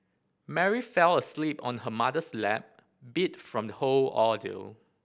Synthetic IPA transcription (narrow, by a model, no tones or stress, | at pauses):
mɛɹifɛləslipɔ̃nhəmadəslɛ̰p̚ | bitfɹɔ̃mdəholɔdḭl